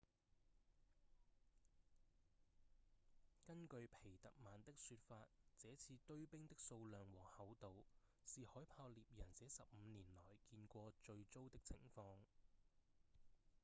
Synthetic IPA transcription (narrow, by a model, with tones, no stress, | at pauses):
kɐ˥nkɵ˧ɥpʰe˨˩jt̪ɐ̰˨k̚maː˨˩nt̪ɪ˥k̚syː˧t̚faː˧t̚t͡sɛː˨˥t͡sʰiː˧t̪ɵ˥ɥpɪ˥ŋt̪ɪ˥k̚so˧wlœː˨ŋwɔː˨˩hɐ˨˧wt̪o˨w | siː˨hɔː˨˥jpʰaː˧wliː˨p̚jɐ˨˩nt͡sɛː˨˥sɐ˨p̚m̩ː˨˧niː˨˩nlɔː˨˩jkiː˧nkʷɔː˧t͡ʃɵ˧ɥt͡so˥wt̪ɪ˥k̚t͡sʰɪ̰˨˩ŋfɔː˧ŋ